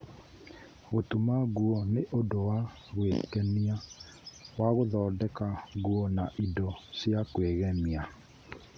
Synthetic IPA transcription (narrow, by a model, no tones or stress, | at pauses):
ɣotumaɣuɔneʔodowa | ɣwekɛnia | waɣoðɔːdɛkaɣuɔnaʔidɔsjakweɣɛmia